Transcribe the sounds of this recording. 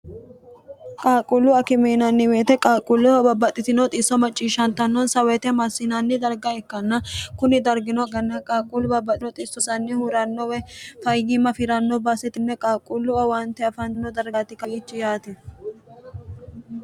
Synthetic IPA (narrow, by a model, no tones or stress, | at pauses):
kʼaːkʼʊlːʊɐkɪmeːnɐnːɪweːt̪ɛkʼaːkʼʊlːʊbɐbːɐt̪ʼːɪt̪ɪnɔt̪ʼɪsːɔmɐt͡ʃʼːiːʃːɐnt̪ɐnːɔnsɐwɛt̪ɛmɐsːɪnɐnːɪd̪ɐɾɡɐɛkːɐnːɐkʊnɪd̪ɐɾɡɪnɔɐɡɐnːɐkʼaːkʼʊlʊbɐbːɐt̪ʼɪnɔt̪ʼɪsːɔsɐnːɪhuɾɐnːɔwɛfɐjɡɪmɐfɪɾɐnːɔbɐsɛt̪ɪnːɛkʼaːkʼʊlːʊɐwɐnt̪ɛɐfɐnnɔd̪ɐɾɡat̪ɪkɐjiːt͡ʃːɪjaːt̪ɛ